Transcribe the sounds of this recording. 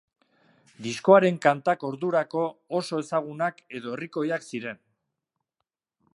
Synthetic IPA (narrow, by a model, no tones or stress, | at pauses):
d̪isko̞aɾe̞ŋkant̪ako̞ɾðuɾako̞ːso̞e̞saɣ̞unake̞ðo̞e̞riko̞jaksiɾe̞n